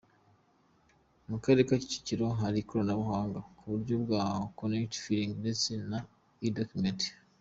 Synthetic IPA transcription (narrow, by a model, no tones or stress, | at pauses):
mukaɾekaci̥ci̥ciɾo̞ɦaɾikoɾonaβuhaːŋɡakuβuɾɟobɡaːhokonekti̥fiɾiŋɡdesina | idokumenti̥